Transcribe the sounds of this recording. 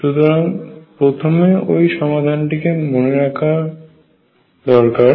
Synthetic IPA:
ʃut̪oɾaŋpɾot̪ʰomeojʃɔmad̪ʱanʈikemoneɾakʰa | d̪ɔɾkaɾ

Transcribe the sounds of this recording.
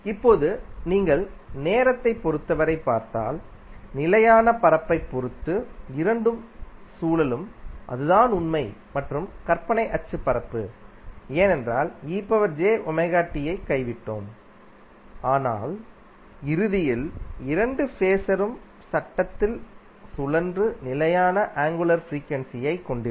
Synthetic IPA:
ɪpːoːðɯniːŋɡɐɭneːɾɐt̪ːɐɪpːɔɾɯt̪ːɐʋɐɾɐɪpːaːɾt̪a̰ːl | nɪlɐjaːnɐpɐɾɐpːɐɪpːɔɾɯt̪ːɯɪɾɐɳɖɯmsuːlɐlɯmʔɐ̰ðɯðaːnʊnmɐɪmɐʈrɯmkɐɾpɐɳɐɪʔɐt͡ʃːɯpɐɾɐpːɯ̰ | eːnɛndra̰ːliːpːɐʋɐɾd͡ʒeːʔʊmɐɪɣaːʈːɪjɐɪkːɐɪʋɪʈːo̰ːm | aːna̰ːl | ɪɾɯðɪjɪlɪɾɐɳɖɯfeːsɐɾɯm | sɐʈːɐt̪ːɪl | sʊlɐndrɯnɪlɐjaːnɐʔaːŋɡɯlɐɾfɾiːkʋɐnsɪjɐɪkːɔɳɖɪɾ

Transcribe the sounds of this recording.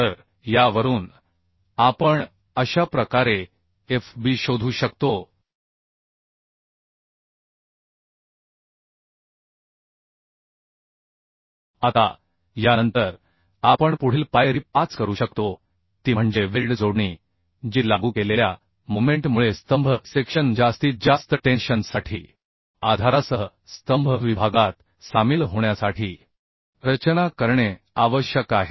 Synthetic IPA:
t̪əɾ | jaʋəɾuːn | apəɳ | əɕapɾəkaɾe | efbiːɕod̪ʱuːɕəkt̪o | at̪a̰ | janənt̪əɾ | apəɳpuɽ̤iːlpajɾiːpat͡skəɾuːɕəkt̪o | t̪iːm̤əɳd͡zeʋelɖd͡zoɽɳi | d͡ʑiːlaɡuːkelelja | momeɳʈmuɭest̪əmbʱəsekɕənd͡ʑd͡zast̪iːd͡zast̪əʈenɕənsaʈʰḭː | ad̪ʱaɾasə | st̪əmbʱəʋibʱaɡat̪ | samiːlɦoɳjasaʈʰiː | ɾət͡ɕənakəɾɳe | aʋəɕjəkaɦe

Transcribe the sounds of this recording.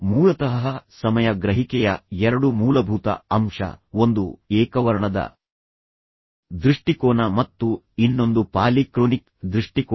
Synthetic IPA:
muːlɐt̪ɐɦɦɐsɐmɐjɐɡɾɐɦikɛjɐɛɾɐɽumuːlɐbʱut̪ɐ̰ɐmʂɐ̰o̞nd̪ueːkɐʋɐɾɐɳɐd̪ɐ̰ | d̪ɾiʂʈikoːnɐmɐt̪ːu | inːo̞nd̪upaːlikɾoːnik | d̪ɾiʂʈik

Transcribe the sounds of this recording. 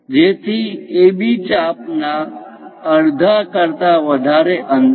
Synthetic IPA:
d͡ʒeːt̪ʰiebit͡ʃapna | əɽd̪ʱakəɾt̪aʋəd̪ʱaɾeʔə̃n

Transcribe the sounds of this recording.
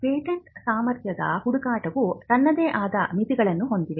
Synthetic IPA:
peːʈɐɳʈsaːmɐɾt̪jɐd̪ɐ̰huɽukaːʈɐʋut̪ɐnːɐd̪eːʔaːd̪ɐmit̪iɡɐɭɐnːuɦo̞nd̪iʋe

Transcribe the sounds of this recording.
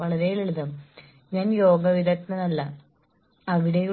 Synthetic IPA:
ʋɐɭɐɾejileɭuðɐm | ɲaːnjo̞ːɡɐʋid̪ɐt̪nɨnɐlːɐ | ɐʋiɽɐji

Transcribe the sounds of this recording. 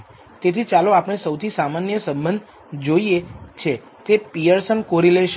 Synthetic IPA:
t̪et̪ʰit͡ʃaloapɳ̃esəwt̪ʰisamanjəsə̃mbənd̪ʱ | d͡ʒoijet͡ʃʰe | t̪epijəɾsənkoɾileʃ

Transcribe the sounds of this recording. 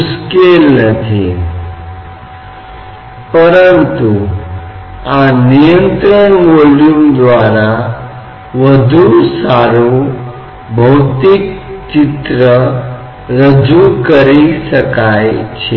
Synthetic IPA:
uskelnət̪ʰi | pəɾənt̪u | anijənt̪ɾəɳmoljumd̪ʋaɾa | ʋəd̪ʱusaɾu | bʱəwt̪ik̚t͡ɕit̪ɾə | ɾəd͡ʑukəɾisəkajt͡ɕʰe

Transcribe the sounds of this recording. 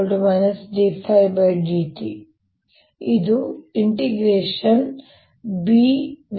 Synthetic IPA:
lɖmɐjnɐsɖiːfʰɐjbɐjɖiːt̪i | id̪uiɳʈiɡɾeːʂɐn | biːʋ

